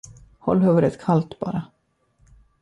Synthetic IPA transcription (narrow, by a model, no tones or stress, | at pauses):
hɔ̰lːhœvəɾət̪kʰalt̪b̥ɑ̰ːɾa